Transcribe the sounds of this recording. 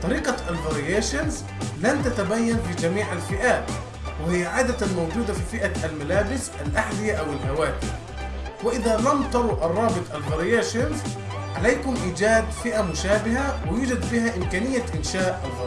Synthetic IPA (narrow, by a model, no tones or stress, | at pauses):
t̪ˤɑɾiːqɑalvaɾɪjeːʃanz | lant̪at̪abajːanfid͡ʒamiːʕalfɪʔaːt̪ | wɪhɪjːaʕaːd̪at̪anmawd͡ʒuːd̪afifɪʔaʔalmalaːbɪsʔalʔaħd̪ɪjaʔawɪlhawaːt̪ɪ | wɪʔɪðalamt̪ɑɾˤʊʔʔɑrˤːɑːbɨt̪ˤʔalveɾɪjeːʃanz | ʕalajkʊmʔiːd͡ʒaːd̪fɪʔamʊʃaːbɪɦawɪjuːd͡ʒad̪fiːɦaʔɪmkaːnɪjːaʔɪnʃaːʔalɣ